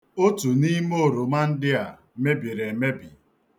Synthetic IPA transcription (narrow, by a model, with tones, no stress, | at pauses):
o˦tu˨ni˦mo˦˨ɾo˨ma˦n̩˦dɪ˦a˨ | me˦bi˨ɾe˨me˦bi˨